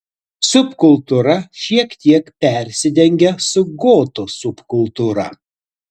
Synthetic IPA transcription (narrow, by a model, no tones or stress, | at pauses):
sʊpkʊlˠˑt̪uɾɐʃʲiɛkt̪ʲiɛkpʲɛˑɾʲsʲɪd̪ʲɛŋʲɡʲɛsʊɡoːt̪osʊpkʊlˠt̪uːɾɐ